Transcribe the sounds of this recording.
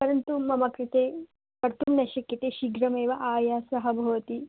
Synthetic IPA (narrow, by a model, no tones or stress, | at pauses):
pɐɾɐnt̪umɐmɐkɾit̪eː | pɐɾt̪ʰumnɐʃɐkjɐt̪eːʃiɡɾɐmeːʋɐʔaːjaːsɐɦɐbʱɐʋɐt̪i